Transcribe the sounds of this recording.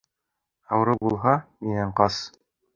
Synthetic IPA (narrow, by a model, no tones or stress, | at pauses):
ɑwɤ̆ɾɤbulˠɦɑminæɴqɑs